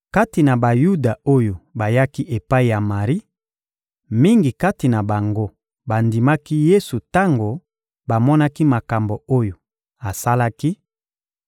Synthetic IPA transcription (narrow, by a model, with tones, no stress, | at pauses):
ka˦ti˨na˨ba˨ju˦da˨o˦jo˨ba˨ja˦ki˦ʔe˨pa˦i˨ja˨ma˨ʁi˦ | mi˦ŋɡi˨ka˦ti˨na˨ba˨ŋɡo˦ | ba˨ndi˨ma˦ki˦je˦su˨ta˦ŋɡo˨ | ba˨mɔ˦na˦ki˦ma˨ka˨mbo˨o˦jo˨ | a˨sa˦la˦ki˦